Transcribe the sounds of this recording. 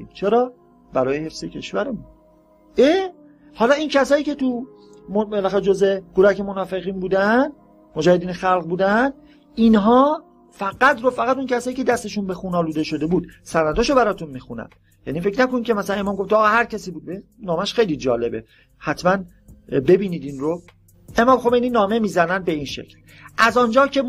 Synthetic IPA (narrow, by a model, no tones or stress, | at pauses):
ḭmt͡ʃʰeɾɒː | bæɾɒːjehe̞fz̥ecʲʰe̞̰ʃvæɾemu | ʔe | hɒːlɒːincʰæsɒːjiːcʲʰe̞t̪u | mobelæxæɾed͡ʒozekuɾæcʰe̞monɒːfe̞ɣiːnbuːd̪æn | mod͡ʒæːhe̞d̪iːnexælɣbuːd̪ænd̪ | inɦɒː | fæɡæt̪ɾofæɣæt̪uncʰæsɒːjiːcʰe̞d̪æst̪e̞ʃunbe̞xuːnɒːluːd̪e̞ʃo̞d̪e̞buːd̪̥sæɾnæd̪oʃobæɾɒːt̪ʰunmiːxunæ̰n | jæ̰nife̞cʰnækonicʰemæsælænemɒːmɡo̞ft̪ːɣɒːhæɾcʰæsiːbuːd̪̚benɒːmæʃxejlid͡ʒɒːle̞bḛ | hæt̪ʰmæn | be̞biːniːd̪inɾo | e̞mɒːmxo̞mejninɒːme̞miːzænænd̪̚be̞iːnʃḛcʰl | ʔæzɒnd͡ʒɒːcʰe̞